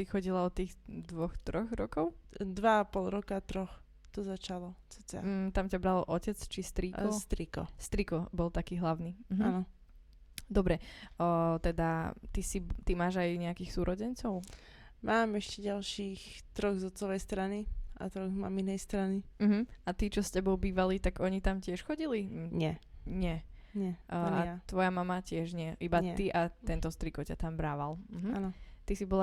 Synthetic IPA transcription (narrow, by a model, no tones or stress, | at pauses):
ixɔɟilaɔt̪iːɣd̪ʋɔxt̪ɾɔɣɾɔkɔʊd̪ʋaapɔlˠɾɔkat̪ɾɔx | t̪ɔzat͡ʃalɔt͡sɔt͡sa̰t̪amcabɾalɔcɛt͡st͡ʃist̪ɾikɔst̪ɾikɔ̰st̪ɾikɔbɔlˠt̪akiːɦlaʊniːɦanɔ | d̪ɔbɾɛ | t̪ɛd̪at̪isit̪imaːʒajɲɛakiːxsuːɾʔɔɟɛnt͡sɔʊ | mʔaːmɛʃcɛɟalʃiːxt̪ɾɔɣzɔt͡sɔʋɛjst̪ɾaniʔa̰t̪ɾɔɣzma̰minɛjst̪ɾanim̩ɦm̩at̪it͡ʃɔscɛbɔʊbiːʋalit̪aɡɔɲit̪amcɪɛʃxɔɟiliɲɛɲɪɛɲɛʔat̪ʋɔjamamacɪɛʒɲɪɛʔibat̪iʔat̪ɛnt̪ɔst̪ɾikɔcat̪ambɾaːʋalm̩ɦm̩anɔt̪isibɔla